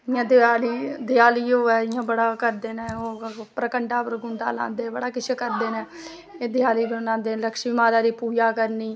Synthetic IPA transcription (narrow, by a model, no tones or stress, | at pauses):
ɪjãːd̪aːliːd̪ɪjaːliːoːɛːɪjãːbəɽaːkəɾd̪eːnɛːoːpɾəkəɳʈaːpɾəɡʊɳd̪a̰ːlã̰ːnd̪eːbəɽaːkɪt͡ʃʰekəɾd̪eːnɛ̃ː | ẽːd̪ɪjaːliːbənãːnd̪eːnləkʃmiːmaːd̪aːɾiːpuːd͡ʒaːkəɾniː